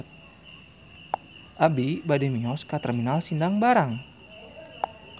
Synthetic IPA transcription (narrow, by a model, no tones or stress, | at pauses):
ʔabibadimiɔskat̪ɛrminalsindaŋbaɾaŋ